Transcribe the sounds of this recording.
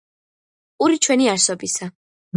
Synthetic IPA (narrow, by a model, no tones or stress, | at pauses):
uɾit͡ʃʰwɛniaɾsɔbisa